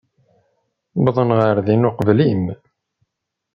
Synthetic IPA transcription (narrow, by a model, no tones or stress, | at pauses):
bðˤənʁəɾðinʊqvlim